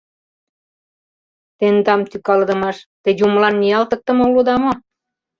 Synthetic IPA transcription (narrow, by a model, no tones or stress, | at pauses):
t̪end̪ɑmt̪ykɑld̪ə̆mɑʃt̪ĕjumlɑnːiɑlt̪ɤ̆k̚t̪ə̆molud̪ɑmo